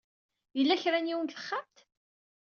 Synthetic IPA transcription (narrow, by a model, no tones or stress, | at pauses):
jəlːæçɾænjiwənt̪ə̥χːamt̪